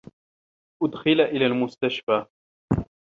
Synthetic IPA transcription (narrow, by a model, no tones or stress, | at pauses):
ʔʊd̪xɪlʔɪlaːlmʊst̪aʃfaː